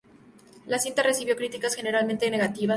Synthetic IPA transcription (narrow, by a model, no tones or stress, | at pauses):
lasint̪aresiβjo̞kɾit̪ikasxe̞ne̞ɾalmẽ̞nt̪e̞ne̞ɣat̪iβa